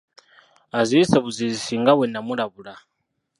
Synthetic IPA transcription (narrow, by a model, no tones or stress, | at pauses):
aziisɛβuzizisiŋɡawɛnamulaβula